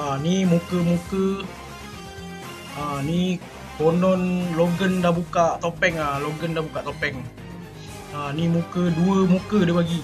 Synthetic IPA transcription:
animukəmukə | ani | konɔnloɡəndabukaʔt̪opɛŋaloɡəndabukaʔt̪opɛŋ | animukəduəmukədəpaɡi

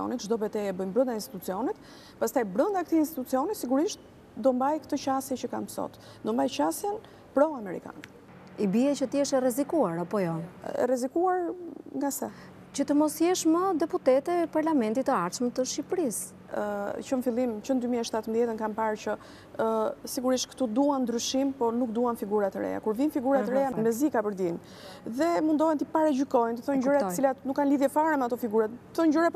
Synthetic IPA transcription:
ɔ̰nit̪ʒd̪ɔbɛt̪ɛɛbəjmbɾənd̪ainst̪i̥t̪ut͡siɔnit̪ | past̪ajbɾənd̪ak̚t̪iːnst̪it̪ut͡siɔnisiɡuɾiʃt̪̚ | d̪ɔmbajkət̪ət͡ɕasjɛt͡ɕəkamsɔ̰t̪ | d̪ɔmbajt͡ɕasjɛn | pɾɔamɛɾḭka̰nɛ | ibiɛt͡ɕət̪əjɛʃɛrɛzikuaɾapɔjɔɛ̰rɛzikuaɾŋɡasɛ | t͡ɕət̪əmɔsjɛʃməd̪ɛput̪ɛt̪ɛpaɾlamɛnt̪it̪əaɾt͡ʃmət̪əʃipɾis | t͡ʃənfilˠimt͡ʃənd̪ymiɛʃt̪at̪əmðjɛt̪ənkanpaɾt͡ɕə | siɡuɾiʃt̪kə̥t̪ud̪uand̪ɾyʃimpɔnukd̪uanfiɡuɾat̪əɾɛ̰a̰kuɾvinfiɡuɾatt̪əɾɛamɛzikapəɾd̪in | ðɛmund̪ɔɛnt̪ipaɾɛd͡ʒykɔjnt̪əθɔnɲd͡ʒɾɛət͡silat̪nukːanliðjɛfaɾɛmɛat̪ɔfiɡuɾat̪ə̥θɔnɲd͡ʒuɾɛ

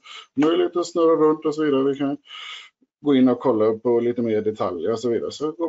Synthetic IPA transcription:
mœjlɪɡ̚t̪ɔsnœɾːaɾɵnt̪ɔsɔviːd̪aɾəʋɪkʰan | ɡoːɪnːɔkʰɔlːaɵpːɔliːt̪əmeːɖɛt̪ʰa̰ljəɾɔsɔviːd̪a̰ɾəsɔɡoː

